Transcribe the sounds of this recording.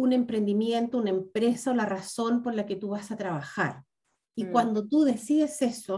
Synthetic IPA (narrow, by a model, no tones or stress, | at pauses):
une̞mpɾe̞nd̪imje̞nt̪ounaempɾe̞saolaraso̞mpo̞ɾlaket̪uβasat̪ɾaβaxaɾ | ikwand̪o̞t̪uðe̞siðese̞so